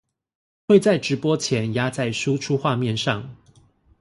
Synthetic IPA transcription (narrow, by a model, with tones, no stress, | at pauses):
xwe˥˨ɪt͡sa˥˩ɪʈ͡ʂɻ̩˧˥pwɔ˥t͡ɕʰjɛ˨˥nja˥t͡sa˥˩ɪʂu˥ʈ͡ʂʰu˥xwa˥˧mjɛ˥˨nʂɑ˥˨ŋ